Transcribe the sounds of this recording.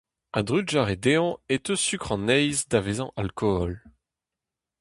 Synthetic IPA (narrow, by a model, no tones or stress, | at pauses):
ɛ̃d̪ʁydʒaʁed̪eɔ̃et̪əsykχɑ̃nɛjzd̪avezɑ̃ʔalkʰɔɔl